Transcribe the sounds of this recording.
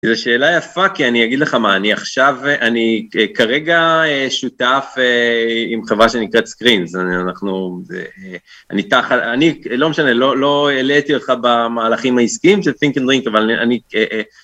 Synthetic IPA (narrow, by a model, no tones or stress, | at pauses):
zeʃe̞ːlajafakianiaɡid̪leχamaːniaχʃavʔanikaʁeɡaeʃutafeimχevʁaʃe̞nikʁet̪skʁinzanaχnuḛ | a̰nit̪aχatanilo̞me̞ʃane̞lo̞lo̞elet̪io̞t̪χabamaːlaχimaiskiimʃelfiŋkend̪ʁiŋkavalnia̰nieʔ